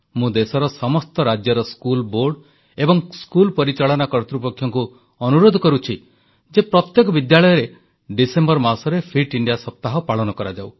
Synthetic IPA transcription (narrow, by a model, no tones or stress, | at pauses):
mũd̪esɔɾɔsɔmɔst̪ɔɾad͡ʒjɔɾɔskulboɾɖ | ebɔŋskulpɔɾit͡ʃaɭɔnakɔɾt̪ɾupɔkʰjɔŋku | ɔnuɾod̪ʱɔkɔɾut͡ʃʰi | d͡ʒepɾɔt̪jekɔbid̪jaɭɔjɔɾe | ɖisembɔɾmaɾsɔɾepʰiʈiɳɖijasɔp̚t̪aɦɔpaɭɔnɔkɔɾad͡ʒaw